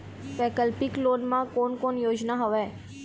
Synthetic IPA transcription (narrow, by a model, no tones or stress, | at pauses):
pɛkəlpɪkloːɖmãkoːnkonjoːd͡ʒnaɦəʋe